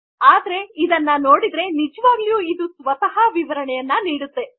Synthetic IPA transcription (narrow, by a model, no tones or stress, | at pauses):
aːd̪ɐɾe̞id̪ɐnːɐno̞ːɽid̪ɾe̞nid͡ʒɐʋaːɡlijuːid̪usʋɐt̪ɐɦɐʋiʋɐɾɐɳɛjɐnːɐniːɽut̪ːe̞